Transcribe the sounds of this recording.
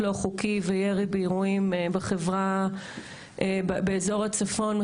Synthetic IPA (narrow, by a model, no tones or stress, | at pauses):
loχukivejeʁibeiʁuimbeχevʁa | ʔebbeːzo̞ʁat͡safo̞n